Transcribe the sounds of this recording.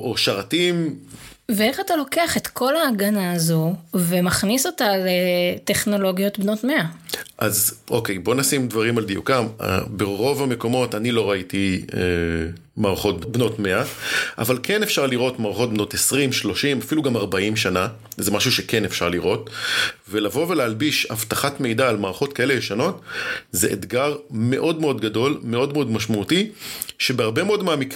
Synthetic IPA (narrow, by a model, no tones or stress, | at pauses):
ʔoʃaʁatim | vee̞χatalo̞ke̞aχetkʰo̞laːɡanaːzuvemaχniso̞talete̞χno̞lo̞ɡjo̞tbnotme̞aʔazʔokejbo̞nasimdvaʁimald̪ijṵkam̰beʁo̞vame̞ko̞mo̞tanilo̞ʁaitie | maːʁχo̞t̚bno̞tme̞aʔa̰valkʰenefʃaʁliʁo̞tmaːʁχo̞t̚bno̞tesʁimʃlo̞ʃimafiluɡamaʁbaimʃana | zemaʃuʃekenefʃaʁliʁo̞tvelavo̞velealbiʃhavtaχatme̞jdaːlmaːʁaχo̞t̚kae̞lejeʃano̞tzḛʔḛdɡaʁme̞ʔo̞dme̞o̞dɡado̞lmeo̞dme̞o̞dmaʃmautiʃebeaʁbemeo̞dmaːmik